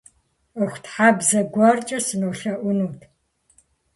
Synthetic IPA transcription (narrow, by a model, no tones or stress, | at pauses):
əxʷtħabzɐɡʷɐrt͡ʃʼɐsɨnoːɬɐʔʷʊnuːtʰ